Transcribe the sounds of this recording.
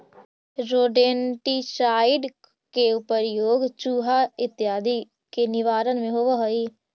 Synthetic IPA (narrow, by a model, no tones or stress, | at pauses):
ɾoːɖeːɳʈit͡ʃaːɪɖ | keupəɾjoːɡt͡ʃuːɦaɪt̪jaːd̪i | kenɪʋaːɾənmẽɦoʋəɦoi